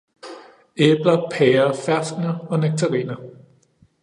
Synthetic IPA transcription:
eb̥lɐpʰɛːɐfæɐsd̥nɐɒ̽næɡ̥̚t͡sʰɐʁḭːnɐ

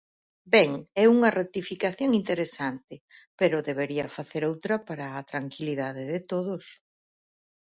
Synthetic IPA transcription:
bɛŋɛuŋɐret̪ifikaθjoŋint̪eɾesant̪ɪpeɾʊðeβeɾiɐfaθeɾowt̪ɾɐpaɾɐːt̪ɾaŋkiliðaðɪðɪt̪oðʊs

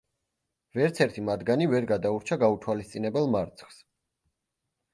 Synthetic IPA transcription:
vɛɾt̪sʰɛɾt̪ʰimad̪ɡanivɛɾɡad̪auɾt͡ʃʰaɡaut̪ʰwalist̪sʼinɛbɛlˠmaɾt̪sʰχs

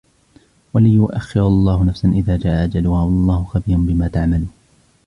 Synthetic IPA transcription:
walɪjʊʔaxːɪɾɑlˤːɑːhʊnafsanʔɪðaːd͡ʒaːʔaʔad͡ʒalʊhaːwɑlˤːɑːhʊxabiːɾʊnbɪmaːt̪aʕmaluːn

